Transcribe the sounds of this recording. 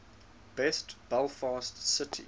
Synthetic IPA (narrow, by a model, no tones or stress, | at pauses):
b̥ɛstb̥ɛlˠfɑːstsɪtʰḭ